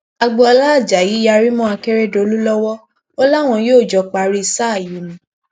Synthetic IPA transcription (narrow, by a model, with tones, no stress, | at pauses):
a˧ɡ͡bɔ˧a˧la˦˨d͡ʒa˨ji˨˦ja˧ɾi˦mɔ̃˦a˧kɛ˦ɾɛ˦do˨˧˨lu˦lɔ˦wɔ˦ | ɔ˦la˦˨w̃ɔ̃˧joː˦˨d͡ʒɔ˨˧k͡pa˧ɾi˦i˧sa˦˨ju˨˦nũ˨˦